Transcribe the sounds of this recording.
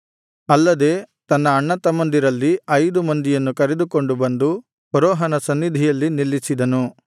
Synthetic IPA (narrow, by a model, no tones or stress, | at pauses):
ɐlːɐd̪e̞ːt̪ɐnːɐːɳːɐt̪ɐmɐnd̪iɾɐlːiɐjd̪umɐnd̪ijɐnːukɐɾed̪uko̞ɳɖubɐnd̪u | pɐɾɔːɦɐnɐsɐnːid̪ʱijɐlːinilːisid̪ɐnu